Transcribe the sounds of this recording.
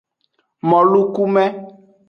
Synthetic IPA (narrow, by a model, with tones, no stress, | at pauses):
mɔ̃˨lu˦ku˦mɛ̃˦